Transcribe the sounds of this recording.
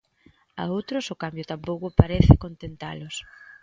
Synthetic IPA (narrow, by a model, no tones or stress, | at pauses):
a̰owt̪ɾʊsʊkambjʊt̪ampowkʊpaɾeθɪkont̪ent̪a̰lʊs